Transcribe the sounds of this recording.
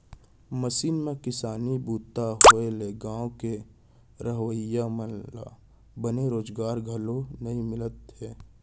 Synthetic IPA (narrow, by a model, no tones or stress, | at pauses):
məʃiːnmẽkɪsaːnibuːt̪ːaɦoeleɡãːwke | ɾəɦwəjːamənla̰ | bəneɾoːd͡ʒɡaːɾɡʱəlonɐĩmɪlət̪ɦɛː